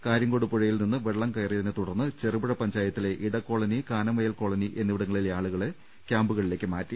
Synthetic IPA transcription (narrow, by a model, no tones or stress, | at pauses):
kaːɾjɐŋɡoɽupːuɻɐjilninːɨʋeɭːɐmkɐjrijɐðinɨt̪uɽɐrnːɨt͡ɕe̞rubiɻɐpɐɲd͡ʑaːjɐt̪ːile̞ʔiɽɐkːo̞ːɭɐnikaːnɐmɐjɐlko̞ːɭɐniʔe̞nːiʋiɽɐŋːɐɭileaːɭuɣɐɭ | kʲjaːmbuɣɐɭile̞ːkʲːɨmaːtːi